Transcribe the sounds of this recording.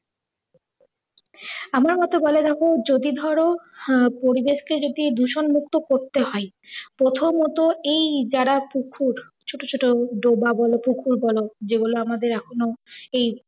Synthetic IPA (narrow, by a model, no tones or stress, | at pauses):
amaɾmɔt̪ebɔled̪ɛkʰod͡ʑod̪id̪ʱɔɾopoɾibeʃked͡ʑod̪id̪uʃonmukt̪okoɾt̪eɦɔe | pɾot̪ʰomɔt̪oejd͡ʑaɾapukʰuɾ | t͡ɕʰoʈot͡ɕʰoʈoɖobabɔlopukʰuɾbɔlod͡ʑeɡuloamad̪eɾɛkʰonoej